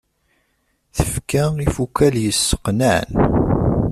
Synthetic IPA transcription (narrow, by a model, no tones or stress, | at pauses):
θəfkæifukːæljəsːə̥qnaʕn